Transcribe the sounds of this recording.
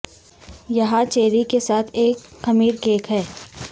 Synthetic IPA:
jɐɦãt͡ʃeːɾikesaːt̪ʰeːkːɐmiːɾkeːkɦɛː

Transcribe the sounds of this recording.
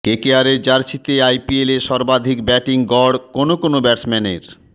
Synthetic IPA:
kekeaɾeɾd͡ʑaɾt͡ɕʰit̪eajpieleʃɔɾbad̪ʱikbɛʈiŋɡɔɽkonokonobɛʈsmɛnḛɾ

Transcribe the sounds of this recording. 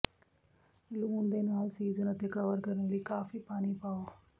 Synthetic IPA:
luːnd̪eːnaːlsiːzənət̪ekɐʋəɾkəɾənləikaːfipaːnipaːoː

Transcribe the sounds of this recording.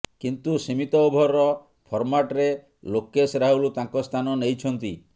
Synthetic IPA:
kint̪usimit̪ɔubʱɔɾɔ | pʰɔɾmaʈɾe | lokesɾaɦulut̪ãŋkɔst̪ʰanɔnejt͡ʃʰɔnt̪i

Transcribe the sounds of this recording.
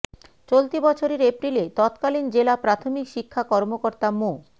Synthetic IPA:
t͡ɕolt̪ibɔt͡ɕʰoɾeɾepɾilet̪ɔt̪kalind͡ʑelapɾat̪ʰomikʃikʰːakɔɾmokoɾt̪amo

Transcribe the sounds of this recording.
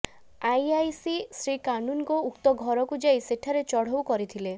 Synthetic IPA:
ajajsisɾikanunkoukt̪ɔɡʱɔɾɔkud͡ʒajseʈʰaɾet͡ʃɔɽ̤ɔwkɔɾit̪ʰile

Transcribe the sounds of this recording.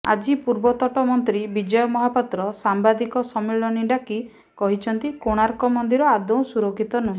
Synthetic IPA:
a̰d͡ʒipuɾbɔt̪ɔʈɔmɔnt̪ɾibid͡ʒɔjɔmɔɦapat̪ɾɔsambad̪ikɔsɔmẽɔniɖaki | kɔɦit͡ʃʰɔnt̪ikoɽ̃aɾkɔmɔnd̪iɾɔad̪ɔw̃suɾokʰːit̪ɔnuɦĩ

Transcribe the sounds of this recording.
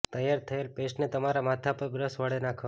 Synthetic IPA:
t̪əjaɾt̪ʰəelpeʃnet̪əmaɾamat̪ʰapəɾbɾəsʋəɭenakʰə

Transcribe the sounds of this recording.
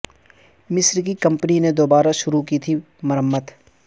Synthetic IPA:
mɪsɾkikɐ̃mpənined̪oːbaːɾaʃʊɾukit̪ʰi | mɐɾəmːət̪

